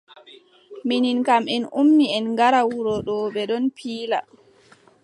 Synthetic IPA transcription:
mininkamɛnumːiɛnŋɡaɾawuɾɔɗɔɓɛɗɔnpʰiːla̰

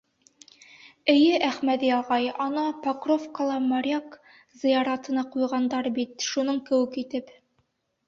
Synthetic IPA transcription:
ɘ̆jɘʔæχmæðiɑlˠʁɑjɒnɑpɐkrofkəlˠɑmɑɾʲak | zɤ̆jɑɾɑt̪ɤ̆nɑqujʁɑnd̪ɑɾbit̪ʃunɤɴkɘ̆wɘkit̪ɘp

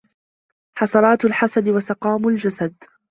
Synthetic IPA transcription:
ħɑsɑɾˤɑːt̪alħasad̪ɪwasɑqɑːmʊld͡ʒasad̪

